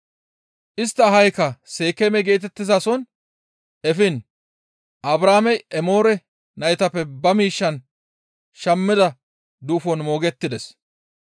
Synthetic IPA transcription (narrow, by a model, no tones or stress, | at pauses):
ʔɪst̪ːɐːɦɐjkːɐse̞ːkɛmɛɡe̞ːt̪̬ɛt̪ːɪzɐsɔn | ɛfɪn | ʔɐbɾaːmɛjʔɛmo̞ːɾɛ | nɐjt̪ɐpːɛbɐmiːʃːɐn | ʃɐmːɪd̪ɐ | d̪uːfɔnmo̞ːɡɛt̪ːɪd̪ɛs